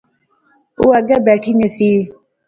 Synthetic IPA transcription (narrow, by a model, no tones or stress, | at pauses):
uːɐɡabeːʈʰiːnesiː